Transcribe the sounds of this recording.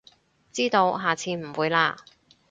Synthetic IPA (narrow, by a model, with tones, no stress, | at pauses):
t͡siː˥t̪o˧wɦaː˨t͡sʰiː˧m̩˨˩wuː˨˧jlaː˧